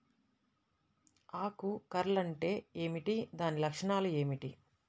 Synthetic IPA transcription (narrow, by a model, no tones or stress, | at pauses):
aːkukɐɾɐlɐɳʈe̞ːeːmiʈid̪aːnilɐkʂɐɳaːlue̞ːmiʈi